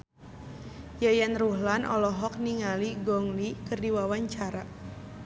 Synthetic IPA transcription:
jajanruhlanʔɔ̰lɔɦɔk̚niŋaliɡɔŋlikɨrdiwawaɲt͡ʃaɾa

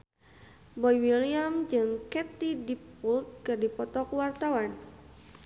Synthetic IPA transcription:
bɔjwiliamd͡ʒɨŋkɛt̪idipult̪̚kɨrdipɔt̪ɔkuwart̪awan

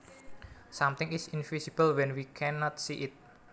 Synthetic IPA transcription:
samt̪ɪŋɪsɪnvisib̥əlwɛnwikʰɛnɔt̪̚siʔɪt̪̚

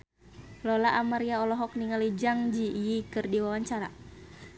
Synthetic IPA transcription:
lɔlaʔamaɾiaɔlɔɦɔk̚niŋalid͡ʒaŋd͡ʒiːjikɨrdiwawaɲt͡ʃaɾa̰

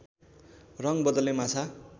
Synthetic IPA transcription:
rʌŋbʌd̪ʌlemat͡sʰa

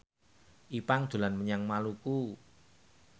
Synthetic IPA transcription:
ʔipaŋd̪̥ṳlanməɲaŋmaluku

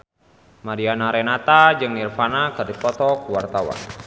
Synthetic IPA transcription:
maɾianaɾɛnat̪ad͡ʒɨŋnirfanakɨrdipɔt̪ɔkuwart̪awa̰n

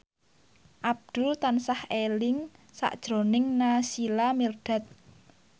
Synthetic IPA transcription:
ʔab̚d̪̥ʊ̤lt̪ansahelɪŋsa̰ʔd̥ʒ̥ɾo̤nɪŋnasilamird̥a̤t̪̚

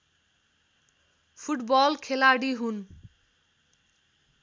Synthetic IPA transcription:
pʰuʈbɔlkʰelaɽiɦun

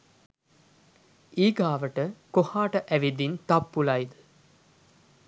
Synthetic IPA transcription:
iːɡaːʋəʈəkohaːʈəʔæʋid̪int̪apːulajd̪ə

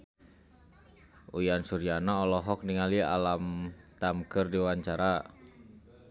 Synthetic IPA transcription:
ujansuɾianaɔlɔɦɔk̚niŋalia̰lamt̪amkərdiwaɲt͡ʃaɾa

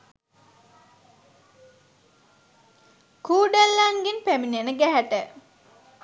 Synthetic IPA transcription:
kuːɖəlːaŋɡinpæminenəɡæɦæʈə

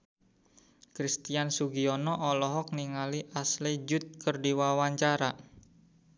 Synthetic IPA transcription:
kɾist̪iansuɡiɔnɔʔɔlɔɦɔk̚niŋaliʔaslid͡ʒʊt̪̚kərdiwawaɲt͡ʃaɾa

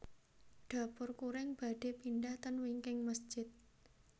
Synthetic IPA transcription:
ɖ̥a̤pʊrkuɾɪŋb̥a̤ɖ̥e̤pinɖaht̪ənwiŋkɪŋməsd̥d͡ʒ̥ɪt̪̚

